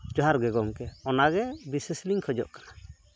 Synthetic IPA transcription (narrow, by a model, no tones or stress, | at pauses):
d͡ʒɔɦaɾɡɛɡɔŋkɛɔnaɡɛbisesliŋkʰɔd͡ʒɔ̰ʔkḁna